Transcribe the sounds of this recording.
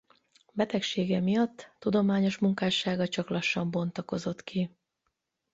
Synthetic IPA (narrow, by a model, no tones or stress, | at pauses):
bɛt̪ɛkʃeːɡɛmijɒt̪ːud̪o̞maːɲo̞ʃmuŋkaːʃaːɡɒt͡ʃɒklɒʃːɒmbo̞nt̪ɒko̞zo̞t̪ki